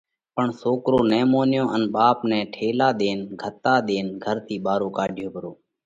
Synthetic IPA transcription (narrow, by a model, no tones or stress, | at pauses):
pəɳsoːkɾoːnɛ̃ːmoːnjõːʔənɓaːpnɛ̃ːʈʰeːlaːɗ̪eːnɡʱət̪aːɗ̪eːnɡʱəɾt̪ʰiːɓaːɾoːkaːɖʱɪjoːbəɾoː